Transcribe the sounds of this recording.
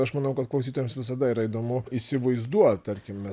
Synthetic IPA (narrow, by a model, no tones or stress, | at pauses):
ɐʃmɑːnɐʊkɐt̪̚klˠɐʊsʲiːt̪oːjɛmsʋʲɪs̬ɐd̪ɐiːɾɐid̪oːmʊisʲɪʋɐɪzd̪uɔt̪ɐɾʲkʲɪmmʲɛ